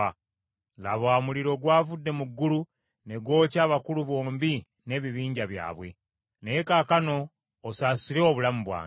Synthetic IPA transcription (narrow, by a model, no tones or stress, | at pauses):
a | laβwaːmuliɾo̞ɡwaːvudːe̞muɡːulu | ne̞ɡwo̞ːcaːβakuluβo̞ːmbi | ne̞ːβiβiːɲɟaβja̰ːβwe̞̰ | nejekaːkano̞ː | saːsiɾeoβulamuβwa̰ː